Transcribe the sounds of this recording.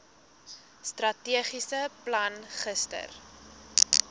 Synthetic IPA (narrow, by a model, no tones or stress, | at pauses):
strɐtiəχisəplɐnχəstə̰r